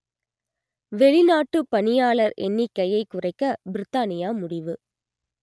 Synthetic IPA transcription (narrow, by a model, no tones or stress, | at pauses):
ʋɛɻɪnaːʈːɯpɐɳɪjaːɭɐɾɛ̰nːikːɐjɐɪkːʊrɐɪkːɐbɪɾɪt̪ːaːnɪjaːmʊɽɪʋɯ